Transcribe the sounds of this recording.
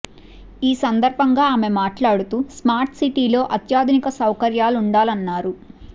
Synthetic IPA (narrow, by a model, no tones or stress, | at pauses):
iːsɐnd̪ɐɾbʱɐŋɡaːaːme̞maːʈlaːɽut̪uːsmaːɾʈsiʈiːlo̞ːʔɐt̪jaːd̪ʱunikɐsɐwkɐɾjaːluɳɖaːlɐnːaːɾu